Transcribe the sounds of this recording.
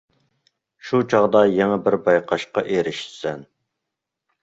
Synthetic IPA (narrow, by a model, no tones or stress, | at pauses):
ʃut͡ʃʰɑʁd̪ɑjeŋɛbɪɾbɑjqʰɑʃqɑʔeɾɪʃsɛn